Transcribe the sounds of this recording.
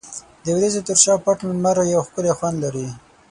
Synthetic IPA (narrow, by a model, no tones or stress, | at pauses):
d̪əwɾezet̪ʊɾʃɑpaʈnʊmaɾajawxkʊlexwand̪laɾi